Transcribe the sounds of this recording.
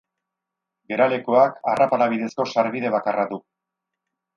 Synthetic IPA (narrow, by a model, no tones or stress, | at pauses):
ɡe̞ɾale̞koakarapaɾaβ̞iðe̞sko̞saɾβiðe̞βakaraðu